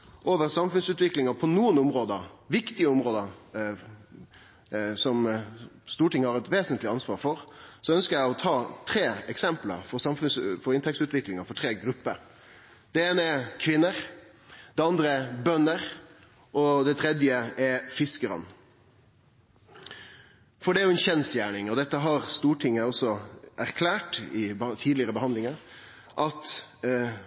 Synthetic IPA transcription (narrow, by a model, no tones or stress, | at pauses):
ʔoːʋəɾsɑmfʉnsʉːt̪ʋɪklɪŋɑpʰɔnuːənʊmʁoːd̪əʋɪkt̪ɪəʊmʁoːd̪ə | sɔmst̪uːʈɪŋːəhɑʁɾɛt̪ʋeːsənt̪lɪɑnsʋɑːɾfɔɾsɔœnskəjæɪɔt̪ʰɑːt̪ʰɾeːɛksɛmplə̰ɾfɔsɑmfʉnsfɔɾɪnt̪ʰɛk̚t̪sʉːt̪ʋɪklɪŋɑfɔʈʰʁeːɡɾʉpːəɾ | d̪̥ɛeːnəɛkʰʋɪnːəɾ | d̪̥ɛɑnd̪ɾəɛbœnːəɾ | ʔɔd̪ɛt̪ʰɾɛd̪jəɛfɪskəɾɑ̰n | fɔɖɛæɾjʊɛnçɛnsjæːɳɪŋɔd̪ɛt̪ːəɦɑɾst̪uːʈʰɪŋːəɔsɔʔæɾkʰlæːʈɪt̪ʰiːd̪lɪəɾəbəhɑnd̪lɪŋɑɾ | ʔɑt̪